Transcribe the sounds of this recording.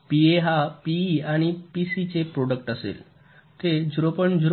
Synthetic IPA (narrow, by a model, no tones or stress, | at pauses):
pieɦapiaɽ̃ipisit͡sepɾoɽək̚ʈasḛl | t̪ed͡ʑɾopəɳd͡ʑɾ